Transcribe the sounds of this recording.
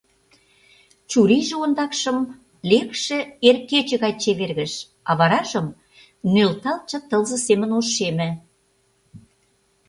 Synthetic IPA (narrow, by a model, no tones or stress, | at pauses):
t͡ɕuɾiʒeond̪ɑkʃə̆m | lekʃĕerket͡ɕə̆ɣɑjt͡ɕeβerɣə̆ʃ | ɑ̰βɑɾɑʒəm | nølt̪ɑlt͡ɕə̆t̪ɤ̆lzə̆semənoʃemɘ̆